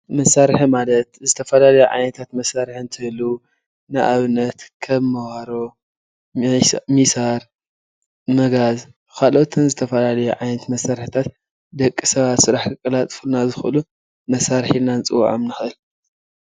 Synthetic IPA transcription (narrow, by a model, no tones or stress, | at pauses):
mɐsaɾħimalɐt̪zɨt̪ʰɐfɐlalɐjuʕa̰jnɐt̪ʰat̪mɐsːaɾħɨnt̪ʰɨhɨlu | nɨʔaβnːɐt̪kʰɐβmɐwaɾo̞ | misaɾ | mɐɡaz | kʰalʔot̪ʰɨnzɨt̪ʰɐfɐlalɐjuʕajnɐt̪mɐsːaɾħt̪ʰat̪ | d̪ɐkʼːisɐβat̪sɨɾaħkʰɨkʼɐlat̪ʼfulnazɨxʔɨlu | mɐsaɾħinant͡sʼɨ̰w̰ʕomnɨxʔɨl